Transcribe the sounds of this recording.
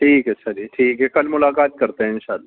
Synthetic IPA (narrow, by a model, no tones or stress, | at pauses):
ʈʰiːkɐtːʃʰad͡ʒiːʈʰiːkɦɛkɐlmʊlaːkaːt̪̚kɐɾt̪eɦɛ̃ɪ̃nʃaːlːaː